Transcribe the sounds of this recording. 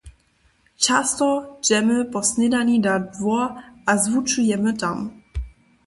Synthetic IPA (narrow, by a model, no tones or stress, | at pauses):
t͡ɕastɔd͡ʑɛməpɔsnɪdanidadvɔɐazvut͡ʃujɛmətam